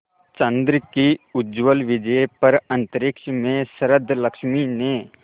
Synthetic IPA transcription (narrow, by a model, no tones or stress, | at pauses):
t͡ʃɐ̃nd̪ɾkiʊd͡ʒʋəlʋɪd͡ʒəpɐɾɐ̃nt̪əɾɪkʃmẽsɐɾəd̪ʱːlɐkʃmineː